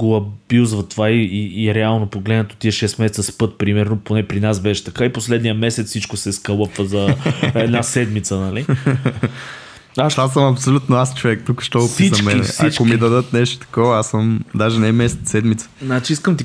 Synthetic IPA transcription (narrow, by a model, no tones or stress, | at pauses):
ɡoɐbuzvɐt̪ːvaiːɾɛalˠnopoɡlɛd̪nət̪ot̪iɛʃɛst̪mɛsɛt̪səspɤt̪̚pɾimɛɾnoponɛpɾinasbɛʃɛ̥t̪ɐkaiposlɛd̪nijəmɛsɛt̪ssit͡ʃkosɛskəlˠəpvəzɐɛd̪nasɛd̪mit̪sənɐli | asasəmɐpsolʲut̪noast͡ʃovɛk̚t̪ukə̥ʃt̪ɔpsiɐmɛinɛ̰sit͡ʃkomid̪ɐd̪ɤt̪nɛʃt̪o̥t̪ɐ̥kɔvɐasəmd̪aʒɛnɛmɛsɛt̪ːɛd̪mit̪sə̥znat͡ʃiiskəmt̪i